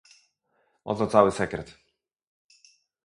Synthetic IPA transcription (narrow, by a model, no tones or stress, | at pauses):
ɔ̰t̪ɔt̪sawɘsɛkɾɛt̪